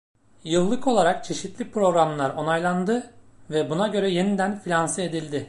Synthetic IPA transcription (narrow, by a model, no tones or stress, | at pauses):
jɯlˠːɯkʰo̞lˠaɾak̚t͡ʃʰe̞ʃit̪lʲipɾo̞ɡɾamlˠaɾo̞najlˠand̪ɯvɛbunaɟø̞ɾɛje̞nid̪ænfilʲansɯe̞d̪ilʲd̪ɪ